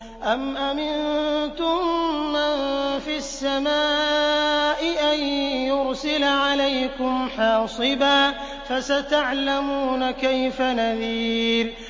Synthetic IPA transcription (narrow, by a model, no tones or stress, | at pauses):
ʔamʔamɪnnt̪ʊmːanfisːamaː | ʔɪʔanjʊɾsɪlaʕalajkʊmħɑːsˤɨbaː | fasat̪aʕlamuːnakajfanaðiːl